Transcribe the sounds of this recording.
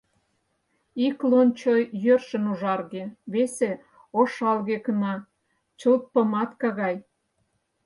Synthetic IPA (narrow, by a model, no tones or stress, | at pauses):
iklont͡ɕojjørʃənuʒɑrɣeβese | oʃɑlɣekənɑ | t͡ɕəlt̪̚pə̆mɑt̪kɑɣɑj